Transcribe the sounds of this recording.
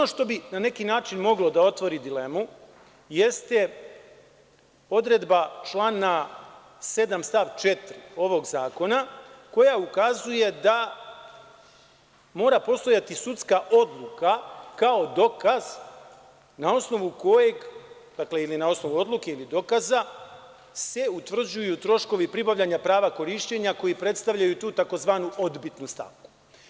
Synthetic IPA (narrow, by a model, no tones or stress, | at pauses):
onoʃt̪o̞binane̞kinaːt͡ʃinmo̞ɡlo̞d̪ao̞t̪ʋo̞ɾid̪ile̞mu | je̞st̪e | o̞d̪ɾe̞d̪bat͡ʃlˠaːna | se̞d̪amst̪aʋt͡ʃe̞t̪ɾio̞ʋo̞ɡzaːko̞nako̞jaukazuje̞d̪a | mo̞ːɾapo̞st̪o̞jat̪isut̪skaʔo̞d̪lˠukakao̞d̪o̞kaz̥ | nao̞sno̞ʋuko̞je̞ɡ | d̪akle̞ilinao̞sno̞ʋuo̞d̪lˠuke̞ilid̪o̞kaza | se̞ut̪vr̩d͡ʑujut̪ɾo̞ʃko̞ʋipɾibaʋʎaɲapɾaːʋako̞ɾiʃt͡ɕe̞ɲako̞jipɾe̞t̪st̪aʋʎajut̪uːt̪ako̞zʋaːnuʔo̞d̪bit̪nust̪a̰ʋku̥